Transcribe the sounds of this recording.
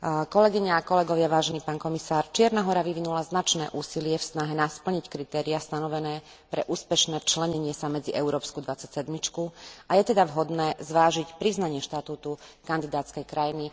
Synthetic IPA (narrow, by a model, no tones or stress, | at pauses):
kɔlɛɡiɲaːkɔlɛɡɔʋɪaʋaːʒɛniːpaːnkɔmisaːɾt͡ʃɪɛɾnaɦɔɾaʋiʋinulaznat͡ʃnɛ̰ːʔuːsilɪɛfsnaɦɛnaspl̩ɲickɾit̪ɛːɾiast̪anɔʋɛnɛː | pɾɛ̰ʔuːspɛʃnɛːt͡ʃlɛɲɛɲɪɛsamɛd͡ziʔɛʊɾɔːpskud̪ʋat͡sacsɛd̪mit͡ʃkuajɛt̪ɛd̪aʋɦɔd̪nɛːzʋaːʒicpɾiznaɲɪɛʃt̪at̪uːt̪ukand̪id̪aːt̪t͡skɛjkɾajini